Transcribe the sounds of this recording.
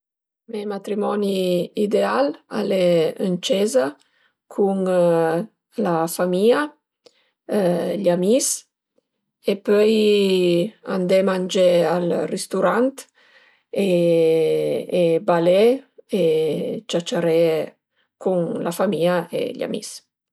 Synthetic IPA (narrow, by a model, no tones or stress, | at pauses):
memat̪ɾimɔniid̪eala̰leənt͡ʃɛza | kʰuŋ | lafamia | ʎamis | epœj | a̰nd̪ɛmand͡ʒɛalrest̪uɾant̪ | e | balɛet͡ʃat͡ʃaɾɛ | kuŋlafamiːaḛʎa̰mḭs